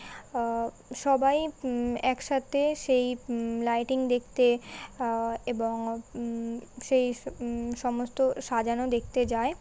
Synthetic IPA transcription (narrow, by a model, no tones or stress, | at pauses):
ʃɔbajɛkʃat̪ʰeʃejlajʈiŋd̪ekʰt̪e | eboŋ | ʃejʃɔmost̪oʃad͡ʑanod̪ek̚ʰt̪ed͡ʑae